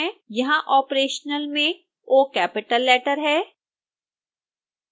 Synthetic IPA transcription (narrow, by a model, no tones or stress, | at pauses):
jɐɦãʔɔːpɾeːʃnəlmẽ | oːkɛːpɪʈəlːɛːʈəɾɦɛː